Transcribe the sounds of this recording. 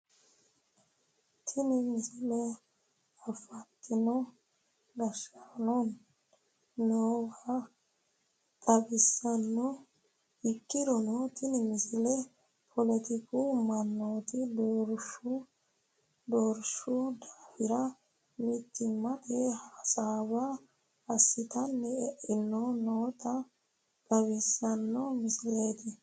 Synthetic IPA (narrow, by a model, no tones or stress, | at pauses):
t̪ʰɪnɪmɪsɪlɛ | ɐfɐt̪ːɪnɔ | d̪ɐʃanɔnː | oːɡa | t̪ʼɐbɪsːɐnːɔ | ɪkːɪd̪ɔnɔt̪ʰɪnɪmɪsɪlɛ | pʰɔlɛt̪ɪkumɐnːoːt̪ɪd̪oɾʃu | d̪oːɾʃud̪aːfɪɾɐ | mɪt̪ːɪmɐt̪ɛhaːsaːba | ɐsːɪt̪ɐnːɛɛʔːɪnːonoːt̪ɐ | k̪ʼɐβɪsːɐnːɔmɪsɪleːt̪ɪ